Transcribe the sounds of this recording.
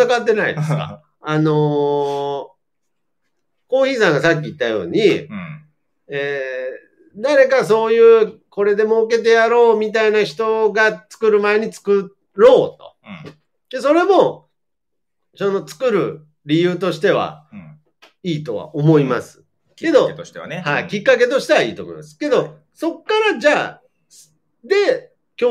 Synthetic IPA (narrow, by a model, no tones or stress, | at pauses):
akat̪̬ːe̞naḭd̪ska̰ | ano̞ | ko̞ːçiːsãŋɡasak̬ʲːiːt̪ːajo̞̰ːɲ̟i | e | d̪aɾe̞kaso̞ːjɯ̟ːko̞ɾe̞d̪e̞mo̞ɯke̞t̪̬e̞jaɾo̞ːmʲit̪̬ainaçi̥t̪o̞ɡat͡sɨ̥kɯ̟ɾɯ̟mae̞ɲ̟it͡sɨ̥kɯ̟ | ɾo̞ːt̪o̞̥̰ | d̪e̞so̞ɾe̞mo̞ | sono̞t͡sɨ̥kɯ̟ɾɯ̟ | ɾʲijɯ̟ːt̪o̞ɕi̥t̪e̞βa̰ | iːt̪o̞̰βa̰ʔomo̞ima̰sɨ̥ | ke̞d̪o̞̥t̪haḭkʲikːake̞t̪o̞ɕi̥t̪e̞βaḭːt̪oːmoḭmasɨ̥ke̞d̪o̞ | so̞kːaɾad͡ʑaː | d̪e̞ | kʲoː